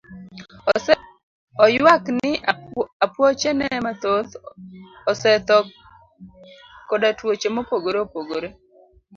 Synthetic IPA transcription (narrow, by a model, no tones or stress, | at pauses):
ɔjwaknɪapwɔt͡ʃɛnɛmat̪ot̪ | ɔsɛt̪ɔ | kːodatwot͡ʃemopoɡoɾeopoɡoɾe